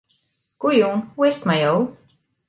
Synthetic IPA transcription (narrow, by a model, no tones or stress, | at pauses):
kujunwest̪majow